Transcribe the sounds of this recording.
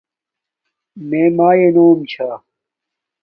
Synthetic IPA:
mẽːmaːjenoːmt͡ɕʰaː

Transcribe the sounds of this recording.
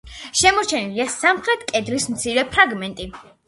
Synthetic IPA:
ʃɛmɔɾt͡ʃʰɛniliasamχɾɛt̪ʰkʼɛd̪lismt̪sʰiɾɛpʰɾaɡmɛnt̪ʼi

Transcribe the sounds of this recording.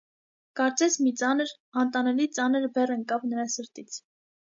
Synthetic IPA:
kɑɾt͡sɛsmit͡sɑnəɾ | ɑnt̪ɑnɛlit͡sɑnəɾbɛrəŋkɑvnəɾɑsəɾt̪it͡sʰ

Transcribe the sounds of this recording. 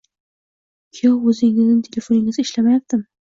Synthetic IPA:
kʲʰewɵzɪŋɪznɪnt̪ʰelefonɪŋɪzɪʃlamajak̚t̪ɪm

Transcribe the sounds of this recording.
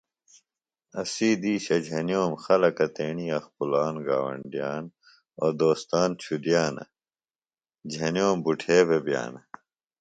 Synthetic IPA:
ɐsiːd̪iːɕɐd͡ʑʱɐnjoːmxɐlɐkɐt̪eːɳiɐxpulaːnɡaːwɐ̰ɳɖijaːn | od̪oːst̪aːnt͡ɕʰud̪ijaːnɐ̰ | d͡ʑʱɐnjoːmbuʈʰeːbebja̰ːnɐ

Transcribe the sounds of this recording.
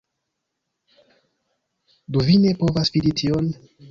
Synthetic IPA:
duvine̞po̞vasviditʰion

